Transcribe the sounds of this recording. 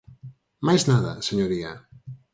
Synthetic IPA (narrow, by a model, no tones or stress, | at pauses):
majznaða̰seɲoɾia̰